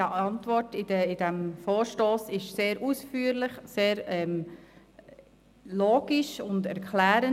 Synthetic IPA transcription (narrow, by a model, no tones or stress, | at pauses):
əɑntʋɔrtɪdəɪdæmfoːɾʃtoːsɪʃseːɾʔusfyːɾlɪχseːɾɛm | loːɡ̥iʃʊndɛɾkʰlæːɾən